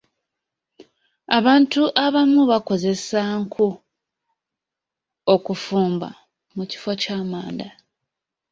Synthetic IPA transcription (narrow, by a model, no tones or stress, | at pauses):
aβaːntuʔaβamuβako̞ze̞saːŋkʰu | okufuːmba̰ | muci̥focaːmaːnda